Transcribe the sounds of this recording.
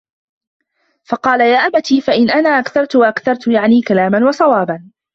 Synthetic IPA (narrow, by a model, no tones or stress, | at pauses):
fɑqɑːlajaːʔabat̪iːfaʔɪnʔanaːʔakθɑɾˤt̪ʊwaʔakθɑɾˤt̪ʊjaʕniːkalaːmanwɑsˤɑwɑːban